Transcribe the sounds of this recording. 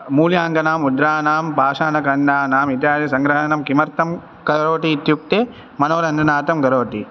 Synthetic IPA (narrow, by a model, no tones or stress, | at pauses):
muːljaːŋɡɐnaːmud̪ɾaːnaːmbʱaːʂaːnɐkɐnɖaːnaːmit̪̬jaːd̪ɐsɐŋɡɾɐɦɐnɐmkimɐɾt̪ɐm | kɐɾoːʈiːt̪juk̚t̪eː | mɐnoːɾɐnd̪ʱɐnaːt̪ɐmɡɐɾoːʈḭ